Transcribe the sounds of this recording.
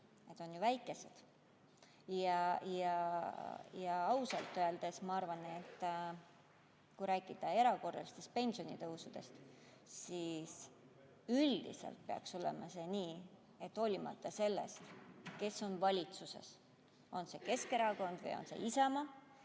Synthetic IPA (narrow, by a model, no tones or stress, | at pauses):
e̞t̪ːˑo̞njuvæjkːˑe̞se̞d̪̥ | jɑjɑ | jɑɑusɑlt̪ːˑøeld̪̥e̞smɑɑrvɑnet̪ːˑ | kujɾæːkid̪̥ɑe̞ɾɑko̞rːɑ̰list̪e̞st̪̚pe̞nʲsio̞nit̪ɤusud̪̥e̞̰st̪ | sis | yld̪̥ḭsḛlt̪̚pe̞ɑ̰kso̞lḛmɑse̞niː | e̞t̪ːo̞lʲimɑ̰t̪ːɑse̞lːe̞̰st̪ke̞sːo̞nvɑlʲit̪suse̞̰s | o̞nse̞ke̞ske̞ɾɑko̞nd̪̥vɨ̰jo̞̰nse̞̰ʔisɑmɑ